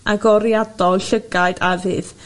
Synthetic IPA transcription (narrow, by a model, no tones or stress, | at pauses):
aɡɔɾjadɔlˠɬəɡaɨdavɨ̰ːð